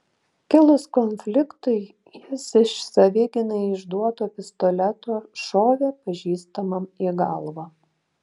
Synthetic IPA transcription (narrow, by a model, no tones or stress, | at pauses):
kʲɪlˠʊskɔnʲfʲlʲɪkt̪ɐɪ | jɪsɪʃsɐʋʲɪɡʲɪnɐɪɪʒd̪uɔt̪oːpʲɪst̪ɔlʲɛt̪oːʃoːʋʲeːpɐʒʲiːst̪ɐmɐmiːɡɑlˠʋɐ